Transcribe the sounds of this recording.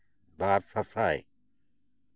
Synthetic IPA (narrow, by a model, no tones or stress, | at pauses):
baːɾsʰɐsaːḛː